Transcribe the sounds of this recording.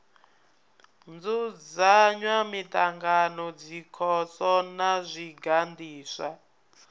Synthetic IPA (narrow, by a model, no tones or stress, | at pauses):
nd͡zud͡zaɲwamitaŋɡanɔd͡zikʰɔsɔnazʷiɡandiːsa